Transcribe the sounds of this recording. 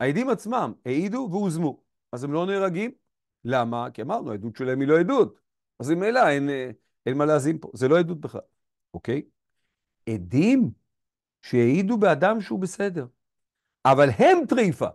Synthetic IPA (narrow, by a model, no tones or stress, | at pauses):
aed̪imat͡smamheid̪uveuzmu | azemlo̞neːʁaɡim | lamakiamaʁnuaedut̪ʃelaɦemilo̞ed̪ut̪ | azimejlaen | enmaleazinpo̞̰zeloed̪ut̪̚beχla̰l | oke̞j | ed̪im | ʃeheid̪ubead̪amʃeubese̞d̪e̞ʁ | ʔavalhe̞mt̪ʁifa̰